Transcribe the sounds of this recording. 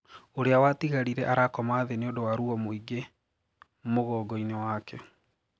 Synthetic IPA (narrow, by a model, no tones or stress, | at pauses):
oɾeawatiɣaɾiɾɛʔaɾakɔmaːðeneondowaɾuɔmoiɡe | moɣɔːɡɔinewaːkɛ